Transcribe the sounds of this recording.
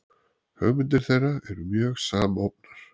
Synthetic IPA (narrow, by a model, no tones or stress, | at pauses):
hœɣmʏnt̪̬ɪɾ̥θejrːaɛɾʏmjœːɣsaːmowp̚naɾ̥